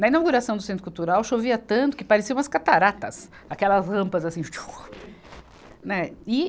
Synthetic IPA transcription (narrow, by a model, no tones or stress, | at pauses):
nɐĩnawɡuɾasɐ̃w̃d̪ʊsẽnt̪ɾʊkuwt̪uɾawʃoviɐt̪ɐ̃nt̪ʊ̥kɪpaɾɪsiɐ̃ɐskat̪aɾat̪ɐs | akɛlɐzʁɐ̃mpɐzasĩt͡ʃu̥ | nɛɪ